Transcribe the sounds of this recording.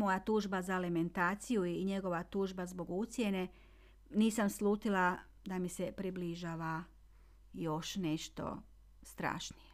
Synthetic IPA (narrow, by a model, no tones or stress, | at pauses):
mo̞jat̪uːʒbazaliment̪aːt̪sijuiɲe̞ɡo̞ʋat̪uːʒbazbo̞ɡut̪sje̞ne̞ | niːsamslˠuːt̪ila | d̪amisepɾibliʒaːʋa | jo̞ʃne̞ʃt̪o̞̰ | st̪ɾa̰ːʃnije̥